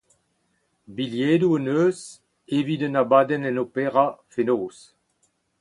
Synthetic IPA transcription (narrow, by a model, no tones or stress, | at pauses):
biljeːduənøːz | evidənabaːdɛnɛnopeʁafenoːs